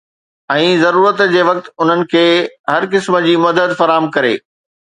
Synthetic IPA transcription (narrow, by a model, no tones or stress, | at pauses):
ɛ̃ːzɐɾuːɾət̪d͡ʑeːʋɐk̚t̪ʊn̤ənɪ̆kʰeːɦɐɾkɪsmə̆d͡ʑiːmɐd̪əd̪fɐɾaːɦəmkɐɾḛː